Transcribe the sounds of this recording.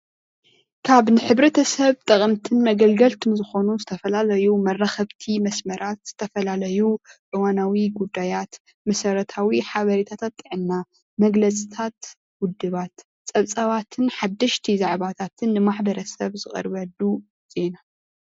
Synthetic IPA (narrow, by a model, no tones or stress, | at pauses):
kʰaβnɨħɨβɾɐt̪ʰɐsɐβt̪ʼɐkʼɐmt̪ʰɨnmɐɡɐlɡɐlt̪ʰɨnzɨxo̞nuzɨt̪ʰɐfɐlalɐjumɐrːaxɐβt̪ʰimɐsmɐɾʔat̪z̥ɨt̪ʰɐfɐlalɐjuʕʔɨwanawiɡud̪ːajat̪ | mɐsɐɾɐt̪ʰawiħaβɐɾit̪ʰat̪ʰat̪ʼːɨʕɨnːa | mɐɡlɐt͡sʼit̪ʰat̪ | wʊd̪ːɨβat̪ | t͡sʼɐβt͡sʼɐβat̪ʰɨnħad̪ːɨʃt̪ʰizaʕβat̪ʰat̪ʰɨnːɨmaħbɐɾɐsɐβzɨχʼɐ̰ɾbɐd̪u | z̥e̞na